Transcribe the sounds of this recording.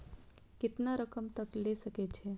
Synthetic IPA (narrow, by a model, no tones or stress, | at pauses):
kɪt̪naɾəkəmt̪əklesəket͡ʃʰe